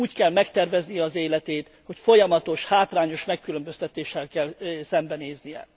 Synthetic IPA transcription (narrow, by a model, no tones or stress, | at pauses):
uːckɛlmɛkt̪ɛrvɛznijɛɒzeːlɛt̪eːt̪ | ho̞cfo̞jɒmɒt̪o̞ʃhaːt̪raːɲo̞ʃmɛkːylømbø̞st̪ɛt̪eːʃːɛlkɛlsɛmbɛneːznijɛ̰